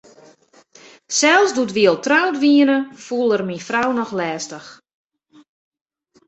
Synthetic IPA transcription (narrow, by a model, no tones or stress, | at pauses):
sɛlˠsduətʋiəlˠtrawtʋiənəfulˠərminfrawnɔxlɛːstəx